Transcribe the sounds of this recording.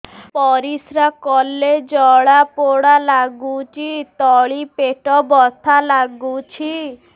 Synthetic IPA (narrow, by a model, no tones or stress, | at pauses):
pɔɾisɾakɔled͡ʒɔɭapoɽalaɡut͡ʃʰit̪ɔɭipeʈɔbɔt̪ʰalaɡut͡ʃʰi